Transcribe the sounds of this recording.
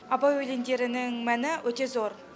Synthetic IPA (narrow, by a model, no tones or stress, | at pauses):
ɑbɑjwɵlend̪e̞ɾɪnɪŋmænɪwɵt̪e̞zo̞ɾ